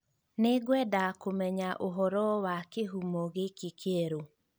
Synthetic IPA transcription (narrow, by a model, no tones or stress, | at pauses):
neɡwɛdakomɛɲaʔoɦɔɾɔwakeɦumɔɣekikʰeɛɾo